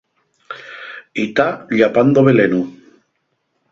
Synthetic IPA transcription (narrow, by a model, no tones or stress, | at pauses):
it̪aʎapand̪oβelenu